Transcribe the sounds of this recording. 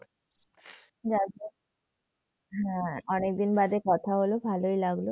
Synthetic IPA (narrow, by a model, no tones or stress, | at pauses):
d͡ʑade | ɦɛ̃ɔnek̚d̪inbad̪ekɔt̪ʰaɦolobʱaloijlaɡlo